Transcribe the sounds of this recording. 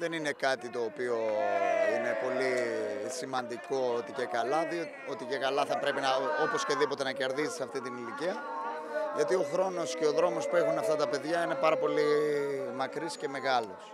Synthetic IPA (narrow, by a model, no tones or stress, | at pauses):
ðe̞nine̞kɐt̪it̪o̞ːpio̞ine̞po̞lisimɐnd̪iko̞ot̪icekɐlɐði | o̞t̪ice̞kɐlɐθɐpɾe̞pinɐopo̞sceðipo̞t̪e̞nɐce̞ɾðizisɐft̪it̪iniliciɐ | ʝɐt̪io̞xɾo̞no̞sce̞o̞ðɾo̞mo̞spuexunɐft̪ɐt̪ɐpe̞ðʝɐine̞pɐɾɐpo̞limɐkɾisce̞me̞ɣɐlo̞s